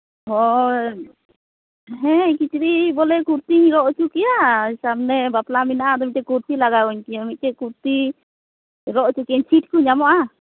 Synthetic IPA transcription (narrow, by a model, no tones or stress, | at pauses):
ɦɔ | ɦɛɲkit͡ʃɾibɔlɛkuɾt̪iɾɔʔt͡ʃukɛjasabnɛbaplaminaʔad̪ɔmit̚t̪ɛkuɾt̪ilaɡaɔɲkijamit̪̚t̪ɛkuɾt̪i | ɾɔʔt͡ʃukiɛɲt͡ʃʰiʈ̚kuɲamɔʔa